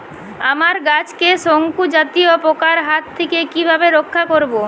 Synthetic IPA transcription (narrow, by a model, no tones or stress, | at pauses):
amaɾɡat͡ɕkeʃoŋkud͡ʑat̪iopokaɾɦat̪ʰːekekibʱabeɾokʰːakoɾbo